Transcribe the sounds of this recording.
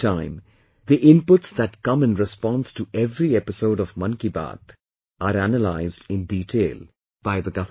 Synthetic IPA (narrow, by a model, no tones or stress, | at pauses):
ãɪ̃m | d̪iʔɪ̃npʊʈsd̪æʈkʌ̃mɨ̃nɾɪspɔ̃nsʈuɛvɾiɛpɪsoʊɖɔvmʌ̃nkiba̰ːt̪ | aɾænəlaɪzdɪ̃nɖiːʈʰeːl | b̥aɪðəɡʌ